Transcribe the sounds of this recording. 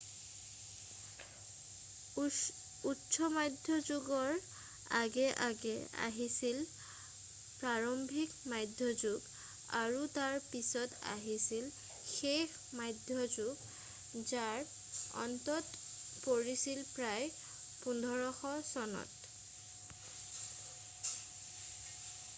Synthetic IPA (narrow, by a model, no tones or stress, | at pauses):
utːsɔmajdʱjɔzuɡɔɹ | aɡɛʔaɡɛa̰ɦisil | pɹaɹɔmbʱikmajdʱjɔzuɡ | aɹutaɹpisɔta̰ɦisil | xex | majdʱjɔzuɡ | zaɹ | ɔ̰ntɔt | poɹisilpɹaj | pundʱɔɹɔxɔsɔnɔ̰t